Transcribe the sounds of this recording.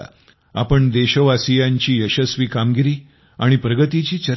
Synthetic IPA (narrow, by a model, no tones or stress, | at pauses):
a̰ | a̰pəɳd̪eɕəʋasijaɲt͡ɕiːjəɕəsʋiːkamɡiɾiː | aɽ̃ipɾəɡət̪it͡ɕiːt͡ɕəɾ